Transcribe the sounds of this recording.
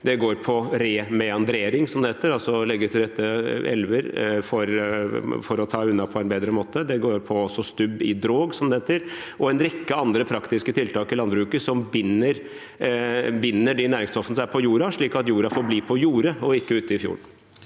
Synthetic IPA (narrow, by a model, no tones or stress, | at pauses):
d̪ɛɡoːɾpʰɔɾeːmɛɑnd̪ɾeːɾɪŋsɔmd̪əheːt̪əɾɑlsɔlɛɡːəɾt̪ʰɪld̪ɛt̪ːəɛ̰lʋəɾfɔɾ | fɔɾɔt̪ʰɑːʉnːɑpʰɔɛnbeːd̪ɾəmoːt̪ʰəd̪ɛɡoːɾpʰɔɔsːɔst̪ʉbːɪd̪ɾoːɡsɔmd̪əheːt̪əɾ | ʔɔɛnɾɛkːəɑnd̪ɾəpʰɾɑkt̪ɪskət̪ʰɪlt̪ʰɑːkɪlɑnbɾʉːkəsɔmbɪnːəɾ | bɪnːəɖɪnæːɾɪŋst̪ɔfənəsæpʰɔjuːɾɑʂɭiːkɑt̪juːɾɑfoːɾbliːpʰɔjuːɾəɔɪkːəʉːt̪əɪfjṵːɳ